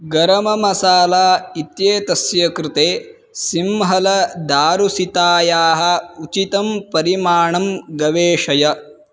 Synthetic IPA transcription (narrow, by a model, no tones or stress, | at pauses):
ɡɐɾɐmɐmɐsaːlaːit̪jeːt̪ɐsjɐkɾɪt̪eː | simɦɐlɐd̪aːɾusit̪aːjaːɦɐ̆ut͡ʃit̪ɐmpɐɾimaːɳɐmɡɐʋeːʃɐjɐ